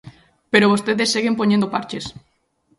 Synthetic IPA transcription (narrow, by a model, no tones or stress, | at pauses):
peɾoβ̞ost̪eðesːeɣempoɲẽnd̪opaɾt͡ʃes